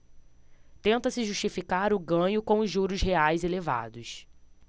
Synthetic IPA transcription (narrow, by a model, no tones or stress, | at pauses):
t̪ẽnt̪ɐsɪʒuʃt͡ʃifikaɾʊɡɐ̃ɲʊkõw̃ʊzʒuɾʊzɦeajzeleva̰d̪ʊs